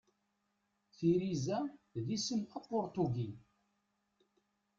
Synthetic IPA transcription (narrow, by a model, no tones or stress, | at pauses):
θiɾizæðisəmɑqːoɾt̪uɡi